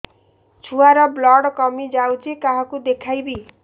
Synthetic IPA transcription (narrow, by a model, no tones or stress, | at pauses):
t͡ʃʰuaɾɔblɔɽkɔmid͡ʒawt͡ʃʰikaɦɔkud̪ekʰajbi